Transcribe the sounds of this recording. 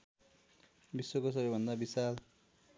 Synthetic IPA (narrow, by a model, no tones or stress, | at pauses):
biswokos̬ʌbʌjbʱʌnd̪abisal